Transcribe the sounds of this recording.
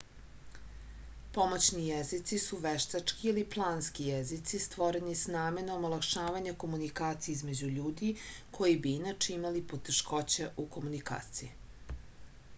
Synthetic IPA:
po̞mot͡ɕnijezit̪sisuʋeʃt̪at͡ʂkiːliplˠaːnskijezit̪sist̪ʋo̞ɾenisnaːme̞nomolˠakʃaːʋaɲako̞munikaːt̪sijeizme̞d͡ʑuʎuːd̪ikʰo̞jibiinat͡ʃeimalipo̞t̪eʃko̞t͡ɕeʔuko̞munika̰ːt̪siji

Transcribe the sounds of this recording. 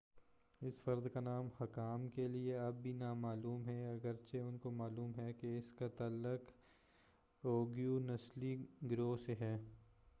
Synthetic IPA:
ɪsfɐɾd̪kanaːmhɐkaːmkelieɐbːʱinamaːluːmɦɛɐɡəɾt͡ʃʰeʊnkomaːluːmɦɛkeɪskat̪ɐlːək | oːɡijunɐsliɡɾoːseɦɛː

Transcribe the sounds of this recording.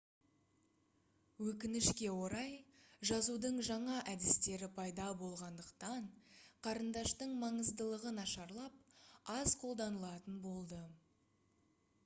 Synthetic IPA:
wɵkʲɪnɪʃkʲe̞wo̞ɾɑjʒɑzud̪əɴʒɑɴɑʔæd̪ɪst̪e̞ɾɪpʰɑjd̪ɑbo̞lˠʁɑnd̪əqt̪ɑɴqʰɑɾənd̪ɑʃt̪əɴmɑɴəzd̪əlˠəʁənɑʃɑɾlˠɑp̚ɑzqʰo̞lˠd̪ɑnəlˠɑt̪ənbo̞lˠd̪ə

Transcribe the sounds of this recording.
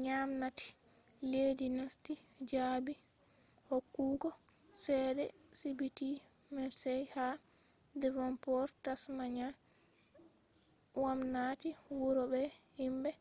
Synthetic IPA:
ɲamnati̥leːdinastid͡ʒaːbihokːuːɡɔsɛːdɛsibitimɛsɛjhadɛvɔmpɔɾtasmaɲan | wamnaːtiwuɾɔbɛhimbɛ

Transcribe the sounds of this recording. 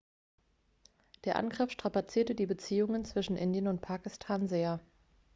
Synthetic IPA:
d̥eːɐʔa̰nɡʁɪfʃtʁ̥apat͡siːɐtədiːbət͡siːʊŋənt͡sv̥ɪʃn̩ʔɪndjənʊntpʰaːkɪstʰaːnzeːɐ

